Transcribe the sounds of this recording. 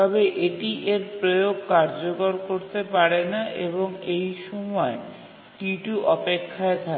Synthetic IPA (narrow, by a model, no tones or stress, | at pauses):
t̪ɔbeʔeʈiʔeɾpɾojoɡ̚kaɾd͡ʑokoɾkoɾt̪epaɾenaʔeboŋejʃɔmɔe | kiʈuʔɔpekʰːaet̪ʰa